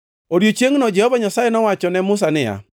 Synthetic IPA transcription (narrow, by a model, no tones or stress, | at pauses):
odjot͡ʃjeŋnɔd͡ʒɛhɔbaɲasajɛnɔwat͡ʃɔnɛmʊsanɪja̰